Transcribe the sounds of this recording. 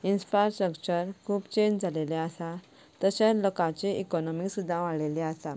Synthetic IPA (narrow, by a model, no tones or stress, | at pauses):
insfɾasʈɾəkt͡ɕəɾkʰuːpt͡ɕẽɲd͡ʑd͡zʱaleleasa | t̪əɕẽlokãt͡ɕeikɔnɔmisud̪ʱːãʋaɭeleasa